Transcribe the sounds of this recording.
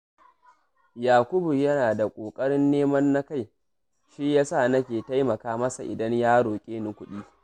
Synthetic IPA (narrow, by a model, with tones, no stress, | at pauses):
jaː˨kʷʊ˦bu˨jɐ˦naː˨da˨kʷʼoː˨kʼɐ˦ɽɪ˦nːeː˦mɐ˦nːa˦ka˦˨j | ʃi˦jaː˦sa˦˨nɐ˦kʲeː˨ta˦jmɐ˨kaː˦mɐ˦sa˨ʔɪ̰˨dɐ˦ɲjaː˦ɽoː˨kʲʼeː˦nʊ˨kʷʊ˦ɗiː˦